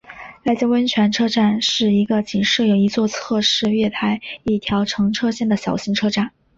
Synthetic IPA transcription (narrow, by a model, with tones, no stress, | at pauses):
la˧˥ɪt͡ɕjɑ˥wə˥nt͡ɕʰɥɛ˧˥nʈ͡ʂʰɤ˥ʈ͡ʂa˥˧nʂɻ̩˥˩i˧˥ɡə˧t͡ɕi˨˩ŋʂɻ̩˥˩jo˨˩i˧˥t͡swɔ˥˧t͡sʰɤ˥˧ʂɻ̩˥˧ɥɛ˥˩t̪ʰa˧˥ɪi˥˩t̪ʰjɑ˧˥ʊʈ͡ʂʰɤ˧˥ŋʈ͡ʂʰɤ˥ɕjɛ˥˩nd̪ə˩ɕjɑ˨˩ʊɕi˧˥ŋʈ͡ʂʰɤ˥ʈ͡ʂa˥˩n